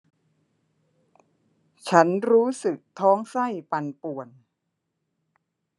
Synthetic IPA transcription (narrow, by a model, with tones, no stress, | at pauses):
t͡ɕʰa˦˥nɾuː˦˥sɯ˨˩k̚t̪ʰɔː˦˥ŋsa˥˩jpa˧npu˨˩ən